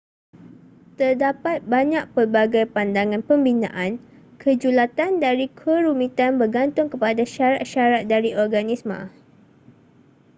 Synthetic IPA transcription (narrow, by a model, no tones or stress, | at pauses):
t̪ərdapat̪̚baɲãk̚pərbaɡajpandaŋãnpəmbinã̰ʔan | kʰəd͡ʒulat̪andaɾikʰəɾumĩt̪anbərɡant̪ʊŋkəpadaʃaɾat̪̚ʃaɾat̪̚daɾiɔrɡanismã̰